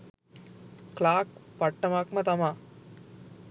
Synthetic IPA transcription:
klaːkpɐʈːɐmakmɐt̪ɐma

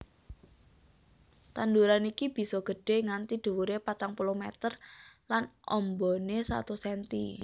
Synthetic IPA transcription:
t̪and̪uɾanikib̥i̤sɔɡ̥ə̤ɖ̥e̤ŋant̪id̪̥ṳwuɾepat̪aŋpulomɛt̪ərlanʔɔmbɔnesa̰t̪usɛnt̪ḭ

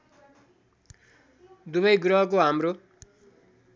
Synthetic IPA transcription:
d̪uβʌjɡɾʌɦʌk̬oɦamro

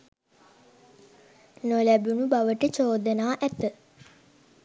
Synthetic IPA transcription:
nolæbunubaʋəʈət͡ʃoːd̪ənaːʔæt̪ə

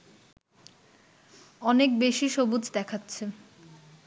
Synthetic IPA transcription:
ɔnek̚beʃiʃobud͡ʑd̪ɛkʰatːɕʰe

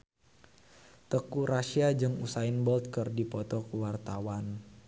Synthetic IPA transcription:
t̪əkuɾaʃiad͡ʒɨŋusaɪnbɔlt̪̚kərdipɔt̪ɔkəwart̪awan

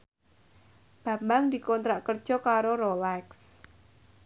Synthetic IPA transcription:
b̥ä̤mbaŋd̪ikɔnt̪ɾaʔkərd̥ʒ̥ɔ̤kaɾoɾolɛks

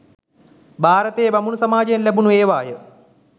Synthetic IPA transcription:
bʱaːɾɐt̪eːbɐmunusɐmaːd͡ʒəjenlæbunueːʋaːjə

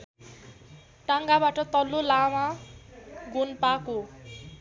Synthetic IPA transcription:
ʈaŋɡabaʈʌt̪ʌlːolama | ɡʱunpako

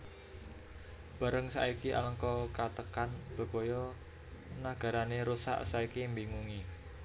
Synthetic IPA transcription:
b̥a̤ɾəŋsa̰ikiʔa̰ləŋkɔkat̪əkanb̥ə̤kojɔ | naɡ̥a̤ɾaneɾusa̰ʔsaikimbiŋuŋi

